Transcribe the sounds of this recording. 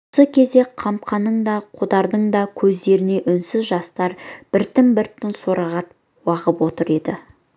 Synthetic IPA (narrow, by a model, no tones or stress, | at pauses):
osəkʲʰe̞zd̪e̞qʰɑmp̚qʰɑnːəɴd̪ɑqʰod̪ɑɾd̪əɴd̪ɑkʲʰɵzd̪e̞ɾɪne̞ʔʏnsɪzʒɑst̪ɑɾb̥ɪɾt̪ɪmbɪɾt̪ɪnsoɾɑʁɑt̪ | wɑʁəpwo̞t̪əɾe̞d̪ɪ